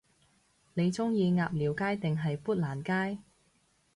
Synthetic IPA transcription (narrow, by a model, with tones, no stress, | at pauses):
ne˨˧jt͡sʊ˥ŋjiː˧ŋaː˨p̚liː˨˩wkaː˥jt̪ɪ˨ŋɦɐ˨jpuː˥t̚laː˨˩nkaː˥j